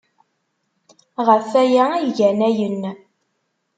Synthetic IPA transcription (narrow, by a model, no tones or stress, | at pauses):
ʁəfæjææjʝænæjənː